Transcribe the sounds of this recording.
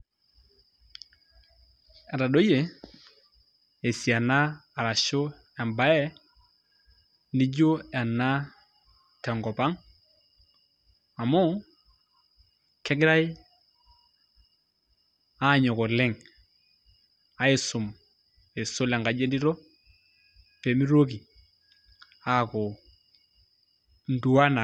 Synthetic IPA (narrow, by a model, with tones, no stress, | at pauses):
ɛ˨ɾa˨ɗo˦je˨ | e˨si˨a˨naː˦˨ɾa˨ʃʊ˦ | ɛ˨mba˨ɛ˦ | ni˦d͡ʒʊ˦ɛ˨na˦ | tɛ˨ŋɡɔ˨pa˦ŋ | a˨mʊ˦ | kɛ˦ɡɪ˦ɾa˦i˦ | a˦˨ɲɔ˨kɔ˨lɪ˦ŋ | a˨ɪ˨sʊ˨m | ɪ˨sʊ˦lɛ˨ŋɡa˨d͡ʒe˦ndi˦ɾɔ˦ | pe˨mi˦ɾo˦k̬i˨ | a˦˨kɔ˨ | n̩˦du˨wa˦na˨